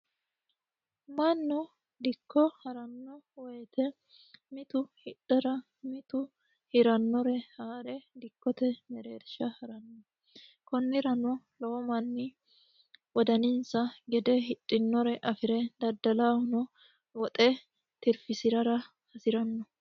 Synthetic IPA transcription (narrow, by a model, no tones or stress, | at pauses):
mɐnːʊ | d̪ɪkːɔhɐɾɐnːɔwɛjt̪ɛ | mɪt̪ʊhɪᶑɐɾɐ | mɪt̪ʊ | hɪɾɐnːɔɾɛhaːɾɛd̪ɪkːɔt̪ɛmɛɾeːɾʃɐhɐɾɐnːɔ | kɔnːɪɾɐnʊ | loɔmɐnːɪ | wɔd̪ɐnɪnsɐɡɛd̪ɛɦɪᶑʼːɪnːɔɾɛʔɐfɪɾɛd̪ɐd̪ːɐlaːhʊnɔ | wɔt̪ʼɛ | t̪ɪɾfɪsɪɾɐɾɐ | hɐsɪɾɐnːɔ